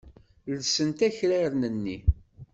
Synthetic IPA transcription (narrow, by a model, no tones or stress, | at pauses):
lsənt̪æçɾæɾnənːi